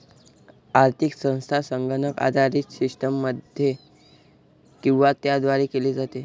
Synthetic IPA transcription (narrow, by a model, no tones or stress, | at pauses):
aɾt̪ʰiksə̃w̃st̪ʰasəŋɡənəka̰d̪ʱaɾiːt̪sisʈəmːəd̪ʱje | kĩw̃ʋat̪jad̪ʋaɾekeliːd͡zat̪e